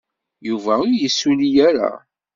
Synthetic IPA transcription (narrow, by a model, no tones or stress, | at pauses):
juvæʊɾjəsːulijæɾa̰